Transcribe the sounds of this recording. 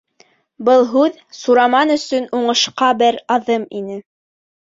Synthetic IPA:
bɤlˠɦʉð | suɾɑmɑnɵ̆sɵnuɴɤ̆ʃqɑbɘɾɑðɤminɘ

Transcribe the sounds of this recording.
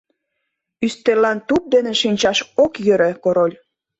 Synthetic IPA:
yst̪elɑnt̪up̚d̪eneʃinʲt͡ɕɑʃokjəɾekoɾolʲ

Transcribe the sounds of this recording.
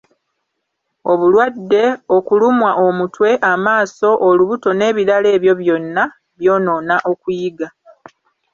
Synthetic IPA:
o̞βulwadːe̞okulumwaʔo̞mutwe̞ʔamaːso̞ʔoluβuto̞ne̞ːβiɾale̞ːβjo̞βjo̞nːa | βjo̞ːno̞ːnaʔo̞kujiɡa

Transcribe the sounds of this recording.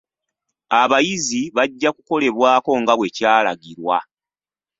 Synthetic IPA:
aβajiziβaɟːakuko̞le̞βwaːko̞ŋɡaβwe̞caːla̰ɡiɾwa̰

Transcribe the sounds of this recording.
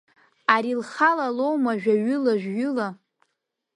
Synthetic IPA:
aɾilχalalo̞wmaʒᶣaɥʏlaʒᶣɡʊla

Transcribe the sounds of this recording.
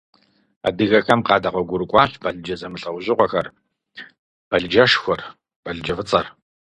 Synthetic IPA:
a̰ːdɨɣɐxɐmqɑːdɐqʷɔɡʷʊɾɨkʷʼɑːɕbʰɐɮd͡ʒɐzɐmɨɬʼɐwʑʼɪqʷɔxɐr | b̥ɐɮd͡ʒɐʃxʷɔr | b̥ɐɮd͡ʒɐfɨt͡sʼɐr

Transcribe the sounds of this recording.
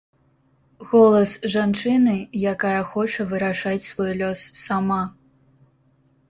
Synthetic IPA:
ɣɔlˠɐsʐant͡ʂɨnɨjakajɐxɔt͡ʂɐvɨɾaʂat͡sʲsvɔjlʲɔsːama

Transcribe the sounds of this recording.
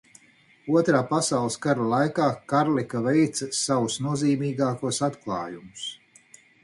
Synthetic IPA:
uɔt̪ɾaːpasawlˠskaɾalˠajkaːkaɾlikavɛjt̪sɐsawusnuɔziːmiːɡaːkuɔsat̪klˠɑ̰ːjumus

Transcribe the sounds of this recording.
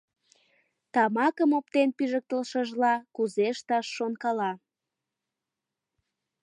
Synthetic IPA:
t̪ɑmɑkəmop̚t̪enpyʒək̚t̪əlʃəʒlɑkuzeʃt̪ɑʃːonkɑlɑ

